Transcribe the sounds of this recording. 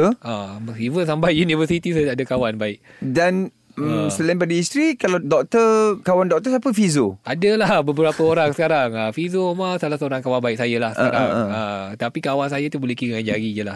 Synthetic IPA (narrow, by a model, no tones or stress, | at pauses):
amivəns̬ambajunĩvəsit̪is̬ədaadakawanbaɪʔ̚ | dan | əmsəlaĩnpadəist̪ɾikaladɔk̚t̪əkawandɔk̚t̪əsapəfizoadəlahbəbəɾapəoɾaŋsəkaɾaŋəfizomasalahsəoɾaŋkawanbaɪk̚sajəlahsəəaɾaŋət̪apikawans̬ajat̪ubolɛhkiɾaŋanɲd͡ʒaɡid͡ʒəlah